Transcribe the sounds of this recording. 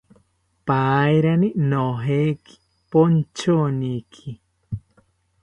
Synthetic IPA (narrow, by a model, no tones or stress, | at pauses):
pajɾaninoɦeki̥ | pont͡ʃonikʰi